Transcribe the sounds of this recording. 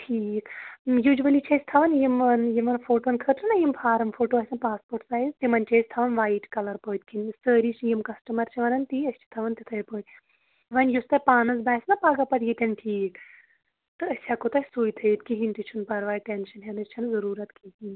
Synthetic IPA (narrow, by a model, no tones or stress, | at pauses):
ʈʰiːkjud͡ʒʋɐlit͡ʃʰɐsʲt̪ʰɐʋɐnjimɐnjimɐnfʰoːʈoːnkʰəʈɨnɐjimfʰaːɾɐmfʰoːʈoːɐsʲɐnpaːspoːʈsaːjzt̪imɐnt͡ʃɐjst̪ʰɐʋɐnʋaːjʈkɐlɐɾpoːt̪̚ʲkʰinsəːɾit͡ʃʰjimkɐsʈɐmɐɾt͡ʃʰiʋɐnɐnt̪iɐsʲt͡ʃʰi̥t̪ʰɐʋɐnt̪it̪ʰɐjpəːt̪ʲ | ʋɐnjust̪ɐpaːnɐz̬baːsnɐpaːɡɐpɐt̪jit̪ʲɐnʲʈʰiːk | t̪ɨɐsʲjakot̪ɐsuːjt̪ʰəit̪kiɦint̪it͡ʃʰunpɐɾʋaːjʈenʃɐnɦenɨst͡ʃʰɐnzɐɾuːɾɐt̪kihin